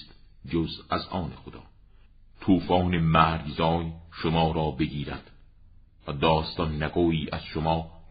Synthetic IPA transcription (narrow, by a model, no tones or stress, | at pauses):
st̪ | d͡ʒozæzɒːnexod̪ɒː | t̪ʰuːfɒːnemæːɾɡzɒːjʃomɒːɾɒːbeɡiːɾæd̪̥ | væd̪ɒːst̪ɒnːæɡoːiːʔæz̥ʃomɒː